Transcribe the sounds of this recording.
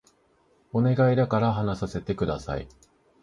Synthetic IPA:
o̞ne̞ɡaid̪akaɾaɦanasase̞t̪e̞kɯ̟d̪asa̰ḭ

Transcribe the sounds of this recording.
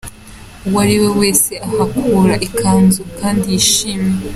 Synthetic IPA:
uwaɾiwe̞we̞ːse̞ahakʰuːɾaʔikʰaːnzukaːndijiʃiːmje

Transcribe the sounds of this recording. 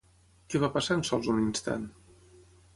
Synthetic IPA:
kɛβapasansɔlˠzuninst̪a̰n

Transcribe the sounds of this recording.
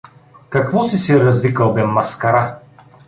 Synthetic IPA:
kɐkvɔsisiɾɐzvikɐlˠbɛmːɐskɐɾa

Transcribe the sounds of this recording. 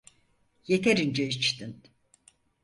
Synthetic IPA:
jet̪ʰeɾind͡ʒɛit͡ʃt̪in

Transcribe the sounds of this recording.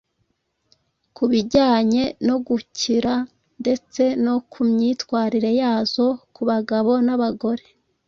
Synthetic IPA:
kuβiɟaːɲe̞no̞ɡuciɾa | nde̞t͡se̞no̞kʰumɲiːtwaːɾiɾejaːzo̞kuβaɡaβo̞naβaɡo̞ɾe̞̥

